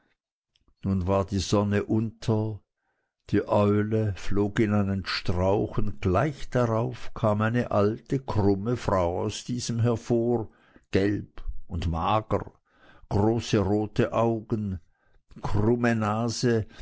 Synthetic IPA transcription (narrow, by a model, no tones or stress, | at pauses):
nuːnvaːɐdiːzɔnəʔʊntʰɐ | d̥iːʔɔʏləfloːkɪnaɪnənʃtʁ̥aʊxʊntɡ̥laɪçd̥aʁaʊfkʰaːmaɪnə̰ʔaltəkʰʁ̥ʊməfʁ̥aʊa̰ʊsd̥iːzəmɦɛɐfoːʁ | ɡ̥ɛlbʊntmaːɡə̰ | ɡ̥ʁoːsəʁoːtʰəʔaʊɡən̩ | kʰʁʊmənaːzə